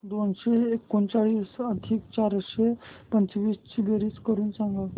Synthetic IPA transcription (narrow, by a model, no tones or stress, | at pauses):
d̪onɕeekːont͡ɕaɭiːsəd̪ʱiːkt͡ɕaɾɕepəɲt͡sʋiːst͡ɕʰiɡeɾiːskəɾuːnsãŋɡa